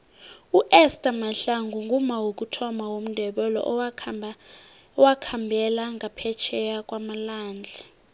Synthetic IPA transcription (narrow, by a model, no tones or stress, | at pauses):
uʔɛstʼamaɬaŋɡʱuŋɡʱumawok̬ʼutʰɔmawom̩ndʱɛɓɛlɔ̰ʔ | ɔwakʰambʱɛlaŋapʰɛt͡ʃʰɛjakʼwamalaːnd͡ɮʱa